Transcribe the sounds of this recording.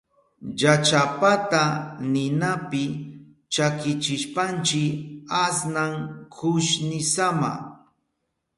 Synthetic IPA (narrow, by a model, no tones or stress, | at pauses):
jat͡ʃapat̪anɪnapɪ | t͡ʃakɪt͡ʃɪʃpant͡ʃɪasnaŋkʰʊʃnɪsama̰